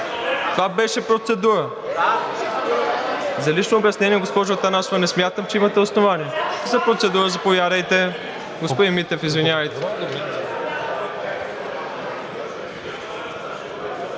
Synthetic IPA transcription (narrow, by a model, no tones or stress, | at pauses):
t̪ovabɛʃɛpɾot̪sɛd̪uɾə | zɐliʃnoːbʲjɐsnɛniɛɡospɔʒoːt̪ɐnasovɐnɛsmʲjat̪əmt͡ʃɛimɐt̪ɛosnovaniɛzɐpɾot̪sɛd̪uɾəzɐpovjaɾɐjt̪ɛ | ɡospod̪imit̪ɛfizvinʲavəjt̪ɛ